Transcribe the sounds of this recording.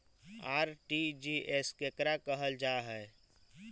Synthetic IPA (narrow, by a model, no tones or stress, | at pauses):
aːɾʈid͡ʒiʔeskekɾakəɦəld͡ʒaːɦɛ